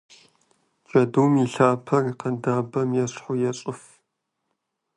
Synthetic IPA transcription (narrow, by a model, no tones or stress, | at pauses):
d͡ʒɐduːmiɬaːpʰɐriqɐndaːbɐmjɛɕʼħʊjɛɕʼʊf